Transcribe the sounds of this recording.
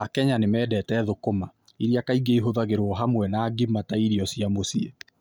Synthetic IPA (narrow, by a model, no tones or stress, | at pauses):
akɛɲanemɛːdɛːtɛːðokoma | iɾiakaiɡeiɦoðaɣeɾoɔɦamwɛnaːɡimataiɾiɔsiamosie